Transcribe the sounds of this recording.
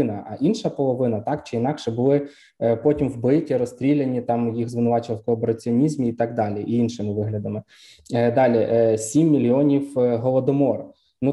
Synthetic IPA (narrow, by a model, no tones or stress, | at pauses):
ɪnɐɐ̰ʔinʃɐpɔlˠɔʋɪnɐt̪ɑkt͡ʃɪinɑkʃɛbʊlˠɪ | pɔtʲimwbɪtʲiɾɔst̪ɾʲilʲenʲit̪ɑmjiɣzʋɪnʊʋɑt͡ʃɪʋɐlwkɔːpeɾɐt͡sʲiɔnʲizʲmʲiːt̪ɑɡ̚d̪ɑlʲiʔiinʃɪmɪʋɪɦlʲɐd̪ɐmɪ | d̪ɑlʲiʔsʲimːʲilʲiɔnʲiwɦɔlˠɔd̪ɔmɔr | nu